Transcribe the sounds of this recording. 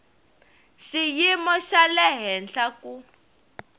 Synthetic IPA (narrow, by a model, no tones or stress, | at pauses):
ʃijimɔʃalɛɦɛnɬaku